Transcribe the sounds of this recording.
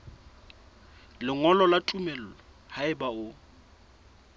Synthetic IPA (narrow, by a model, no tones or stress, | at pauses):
lɪŋɔlɔlatʼumɛl̩lɔ | haɪbaʊ